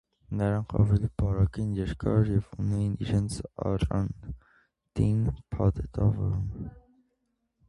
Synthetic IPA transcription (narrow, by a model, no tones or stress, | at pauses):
nəɾɑŋkʰɑ̰vɛlibɑɾɑkɛnjɛɾkɑɾjɛvunɛjiniɾɛnt͡sʰɑ̰rɑn | t̪inpʰɑt̪ʰɛt̪ɑvɔ̰ɾum